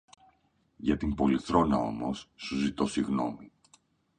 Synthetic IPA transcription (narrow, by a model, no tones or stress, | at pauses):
ʝɐt̪imbo̞liθɾo̞nɐo̞̰mo̞sːuzit̪o̞siɣno̞mi